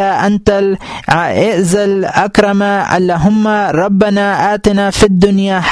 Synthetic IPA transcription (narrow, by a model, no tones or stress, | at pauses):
aʔant̪al | ʔɪʔzalʔakɾˤɑmaʔa̰lːaɦʊmːaɾˤɑbːanaʔaːt̪ɪnafid̪ːʊnjaħ